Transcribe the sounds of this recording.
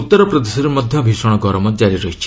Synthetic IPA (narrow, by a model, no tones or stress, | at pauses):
ut̪ːɔɾɔpɾɔd̪esɔɾemɔd̪ʱjɔbʱisɔɽ̃ɔɡɔɾɔmɔd͡ʒaɾiɾɔɦit͡ʃʰi̥